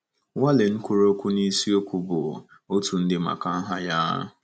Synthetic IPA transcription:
wa˦le˨ŋ̩˦kʷʊ˦ɾo˦kʷu˦ni˦si˦o˦kʷu˦bʊ˨ | o˦tu˨n̩˦dɪ˦ma̰˨ka˨˦ɦa˦ja˦

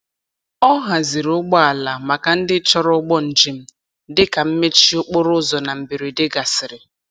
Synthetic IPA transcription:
ɔ˦ɦa˨zi˨ɾʊ˦ɡ͡bɔ˦a˨la˨ma˨ka˨n̩˦dɪ˦t͡ʃɔ˦ɾʊ˦ɡ͡bɔ˦n̩˨d͡ʒi˨m̩˦ | dɪ˦ka˨m̩˦me˦t͡ʃi˦ʊ˦k͡pʊ˦ɾʊ˦zɔ˨na˨m̩˨bi˨ɾi˨dɪ˦ɡa˨sɪ˨ɾɪ˨

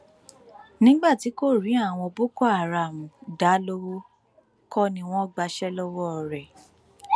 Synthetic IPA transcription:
nĩ˨˦ɡ͡ba˦˨ti˨˦ko˦˨ɾĩ˨˦a˦˨w̃ɔ̃˧bo˦ko˦a˨ɾa˨mũ˨da˨˦lo˦wo˦ | kɔ˦nĩ˦w̃ɔ̃˦˨ɡ͡ba˧ʃɛ˦lɔ˦wɔ˦ɔ˨ɾɛ˨

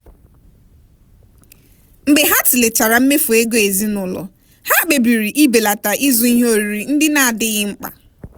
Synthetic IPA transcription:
ŋ͡m̩˨ɡ͡be˨ɦa˦tɪ˨le˨t͡ʃa˨ɾa˨m̩˦me˦fu˨e˦ɡo˦e˨zi˦nʊ˨lɔ̰˨ | ha˦˨k͡pe˨bi˨ɾi˨ʔi˦be˨la˨ta˨ʔi˦zu˦i˦ɦo˦ɾi˨ɾi˨n̩˦dɪ˦na˦a˨dɪ˦ɣɪ˦ŋ͡m̩˦k͡pa̰˨

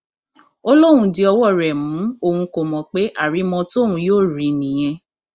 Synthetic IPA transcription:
o˦lo˦˨ũ˧˦di˧˦ɔ˧wɔ˦˨ɾɛ˨mũ˨˦o˧hũ˧ko˨mɔ̃˨k͡pe˦ʔa˦˨ɾi˨˦mɔ̃˧tũ˧joː˦˨ɾi˨˦nĩ˨j̃ɛ̃˧

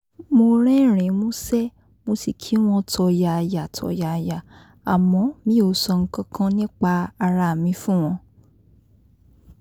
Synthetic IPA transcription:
mo˧ɾ̃ɛ˦˨ɾ̃ĩ˨˦mõ˦sɛ˦ | mo˧si˨kʰi˨˦w̃ɔ̃˦tʰɔ˧ja˨˧ja˨tʰɔ̰˧˦ja˧ja˨ | a˨mɔ̃˨˦mĩ˨˦o˧˦sɔ˧ŋ̩˦kã˦kʰã˦nĩ˦k͡pa˧a˧ɾa˧˨mĩ˨˧˦fũ˦˨w̃ɔ̃˧

